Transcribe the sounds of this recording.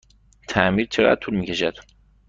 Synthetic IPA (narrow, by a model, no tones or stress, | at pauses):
t̪ʰæmiɾt͡ʃʰeɣæ̰d̪̥̚t̪ʰulmiːcʰe̞ʃæd̪̥